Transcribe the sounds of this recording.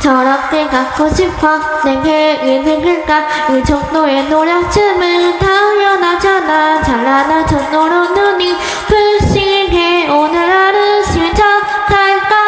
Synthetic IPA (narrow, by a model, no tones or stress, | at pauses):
t͡ɕʌɾʌp̚k͈ekak͈ʰoɕʰipkkʰʌ | neɡeeneɡɯɭk͈a | ɯd͡ʑʌŋ̚noenoɾjʌŋt͡ɕʰɯmɯt̪ʰajʌnad͡ʑanat͡ɕaɭːanat͡ɕʌŋ̚noɾonɯni | pʰɯɭɕiɦeonɯɭaɾɯɕʰid͡ʑʌ | kʰak͈a